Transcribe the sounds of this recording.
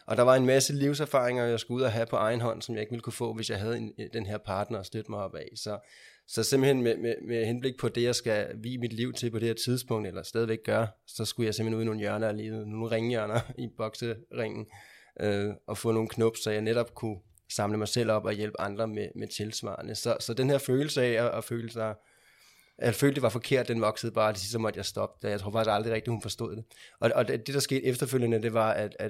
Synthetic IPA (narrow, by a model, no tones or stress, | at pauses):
ʔɒ̽d̥ɑ̈ʋɑ̈e̝nmæsəliʊsæɐfɑ̰̈ʁeŋɐjɑɪsɡ̥uuð̞̰ˠɐɦæpʰɒ̽ʔɑ̈ɪn̩ɦɒ̽n̰sɒmjɑ̈ɪe̝ɡ̥ʋiləkʰufɔ̰̽ːʋe̝sjɑ̈ɪɦæð̞̩ˠend̥enɦe̝ɐ̰pʰɑ̈ːd̥nɐːsd̥ød̥əmɑ̈ɪɒ̽b̥ɛsɒ̽ | sɒ̽semb̥̩he̝nmememehenb̥le̝ɡ̥̚pʰɒ̽d̥e̝jɑ̈ɪsɡ̥æʋḭːmid̥liʊ̰t͡sʰe̝lpʰɒ̽d̥e̝heɐt͡sʰið̞ˠsb̥ɔ̽ŋ̰d̥elɐsd̥ɛːðˠʋeɡ̥̚ɡ̥ɶɐsɒ̽sɡ̥ujɑsem̥̩henuðˠno̝ːn̩jɶɐnɐle̝ːð̩ˠəno̝ːn̩ʁeŋjɶɐnɐib̥ɒ̽ɡ̥səʁeŋ̰n̩ʔøʔɒ̽fɔ̰̽ːno̝ːn̩kʰnɔb̥sɒjɑ̈ɪneɾɒ̽b̥kʰu | sɑ̈mləmɑ̈ɪsel̰ɒ̽b̥ɒ̽jelb̥əɑ̈nd̥ʁɐmemet͡sʰe̝lsʋɑ̰̈ːnəsɒ̽sɒ̽d̥enhe̝ɐføːl̩səɛɒʔɒføːləsɑɪ | ʔefø̰ːld̥e̝ʋɑ̈fɒ̽kʰe̝ɐ̰d̥ːenʋɒ̽ɡ̥səð̞̩ˠb̥ɑ̈ːd̥e̝sisd̥əmɒ̽d̥əjɑsd̥ɒ̽b̥̚d̥jɑɪt͡sʰo̝ɐfɑɡ̥isɡ̥ɑ̈ld̥ʁiʁɛɡ̥̚d̥ihunfɒ̽sd̥o̰ð̰̥ˠe̝ʔɒ̽ɒ̽d̥e̝d̥ɑ̈sɡ̥e̝̰ːd̥efd̥ɐføljənəd̥e̝ʋɑ̈æd̥æ